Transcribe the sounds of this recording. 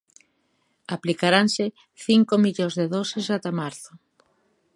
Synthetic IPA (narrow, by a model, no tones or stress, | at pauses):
aplikaɾaŋsɪ | θiŋkomiʎozðeðɔsɪsat̪amaɾθʊ